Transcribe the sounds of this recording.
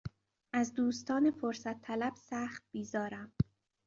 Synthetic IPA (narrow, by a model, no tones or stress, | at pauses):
ʔæzd̪uːst̪ʰɒːnefoɾsæt̪ʰːælæb̥sæːxt̪̚b̥iːzɒːɾæm